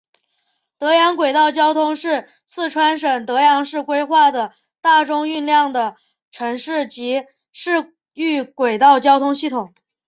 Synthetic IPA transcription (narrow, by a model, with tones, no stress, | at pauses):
t̪ɤ˧˥jɑ˧˥ŋkwe˨˩ɪt̪ɑ˥˩ʊt͡ɕjɑ˥ʊt̪ʰʊ˥ŋʂɻ̩˥˧ | sɹ̩˥˩ʈ͡ʂʰwa˥nʂ̬ə˨˩ŋt̪ɤ˧˥jɑ˧˥ŋʂɻ̩˥˩kwe˥ɪxwa˥˩d̪ə˩ | t̪a˥˩ʈ͡ʂʊ˥ŋy˥˧nljɑ˥˩ŋd̪ə˩ | ʈ͡ʂʰɤ˧˥ŋʂɻ̩˥˩t͡ɕi˧˥ | ʂɻ̩˥˩ | y˥˩kwe˨˩ɪt̪ɑ˥˩ʊt͡ɕjɑ˥ʊt̪ʰʊ˥ŋɕi˥˩t̪ʰʊ˨˩˦ŋ